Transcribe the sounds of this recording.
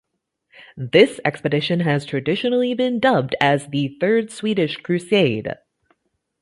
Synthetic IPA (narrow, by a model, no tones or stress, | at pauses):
ðɪsɛ̰kspɨdɪʃɨ̃nɨz̥tʰɹ̥ɨdɪʃɨnl̩ˠibɨ̃ndʌb̚dɨzðɨθɜ˞dswiɾɨʃkʰɹ̥ʉseɪd̥